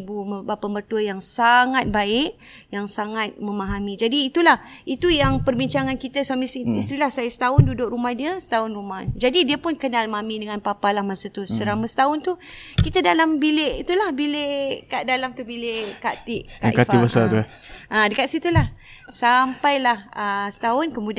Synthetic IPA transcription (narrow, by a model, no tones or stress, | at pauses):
buəbapəmərt̪uəjaŋsaŋat̪̚baɪʔ | jaŋsaŋat̪̚mə̃maɦamĩd͡ʒadiːt̪ulah | it̪ujaŋpərbiɲt͡ʃaŋankit̪asuamisiist̪ɾilahsajəsə̥t̪aʊndudʊʔrumahdiəsə̥t̪aʊnrumad͡ʒadidiəpʊnkənalmamidəŋanpapalahmasat̪usəɾamasə̥t̪aʊnt̪ukit̪adalambileʔit̪ulahbileʔkaʔdalamt̪ubileʔkat̪ɪʔkaʔkatfibasaə | ʔadəkaʔsit̪ulah | sampajlahəsə̥t̪aʊnkəmud